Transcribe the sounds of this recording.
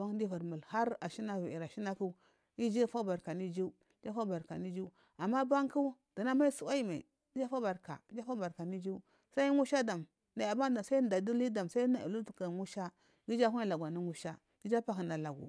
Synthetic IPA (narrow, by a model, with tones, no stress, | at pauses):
ba˦ŋ˦di˦va˨ɾmu˨lha˦ɾa˨ʃi˦na˦vi˨i˨ɾa˨ʃi˦na˦ku˦ | i˦d͡ʒi˦fa˦ba˨ɾka˨ni˦d͡ʒi˦ | d͡ʒa˦fa˦ba˨ɾka̰˨ni˦d͡ʒi˦ | a˨mːa˦ba˦ŋku˦ | d̥a˨na˦ma˦i˦su˨wa˦i˦ma˨i˨ | i˦d͡ʒa˦fa˦ba˨ɾka̰˨i˦d͡ʒa˦fa˦ba˨ɾka˨ni˦d͡ʒi˦ | sa˦i˦ŋu˦ʃa˦da˨m | na˨˦˨a˨ba˦da˨sa˦i˦˨da˨du˦li˦da˨msa˦i˦na˨ʔḭ˨lu˦tu˨ka˨ŋu˦ʃa˦ | ɡi˦d͡ʒa˦ku˦a˦la˨ɡʷa˨ni˦ŋu˦ʃa˦ | ɡ̥i˦d͡ʒa˦pa˦ki˨na˨la˨ɡṵ˨